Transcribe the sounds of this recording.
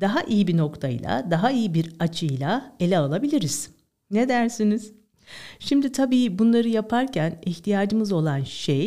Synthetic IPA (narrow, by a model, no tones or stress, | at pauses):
d̪̥aɦaʔijibino̞kt̪ʰajlˠa̰d̪aɦaijibiɾat͡ʃʰɯjlˠae̞lʲɛalˠabilʲiɾiz̥ | ne̞d̪æɾsiniz̥ | ʃimd̪it̪ʰabiːbunlˠaɾɯjapʰaɾcʰæniçt̪ʰijaːd͡ʒɯmɯzo̞lˠanʃej